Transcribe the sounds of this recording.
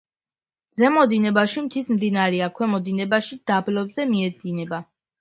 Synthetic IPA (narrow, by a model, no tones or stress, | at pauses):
zɛmɔd̪inɛbaʃimt̪ʰismd̪inaɾɛakʰwɛmɔd̪inɛbaʃid̪̥ablɔbzɛmiɛd̪zinɛba